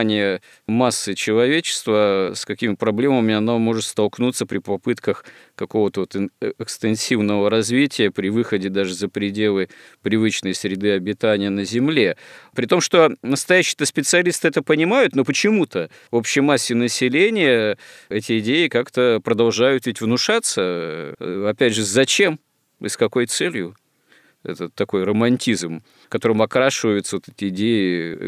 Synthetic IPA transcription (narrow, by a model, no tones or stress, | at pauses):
nʲɪjə | masːɨt͡ɕɪlˠɐvʲet͡ɕɪ̥st̪vəskɐkʲimʲɪpɾɐblʲe̞məmʲɪɐnomo̞ʐɨt̪st̪ɐlˠknut̪səpɾʲɪpɐpɨt̪kəx | kɐko̞vət̪əvot̪ɪkst̪ɨnsʲivnəvəɾɐzvʲitʲɪjəpɾʲɪvɨxədʲɪd̪aʐɨzəpɾʲɪdʲelˠɨ | pɾʲɪvɨt͡ɕnəjsɾʲɪd̪ɨɐbʲɪt̪anʲɪjənəzʲɪmlʲe̞pɾʲɪt̪o̞mʂt̪o̞nəst̪ɐjæɕːɪ̥t̪əspʲɪt̪sɨɐlʲist̪ɨɛt̪əpənʲɪmajʊt̪no̞pət͡ɕɪmut̪ə | opɕɪjmasʲːɪnəsʲɪlʲenʲɪjəɛtʲɪɪdʲejɪkakt̪əpɾəd̪ɐlˠʐajʊt̪vitʲvnʊʂat̪sə | ɐpʲædʲʐɨzɐt͡ɕe̞m | ɪskɐko̞jt̪sɛlʲjʊ | ɛ̰t̪ət̪ːɐko̞jrəmɐnʲtʲizm | kɐt̪o̞ɾɨmɐkɾaʂɨvəjʊt̪səot̪ɛt̪ʲɪɪdʲejɪ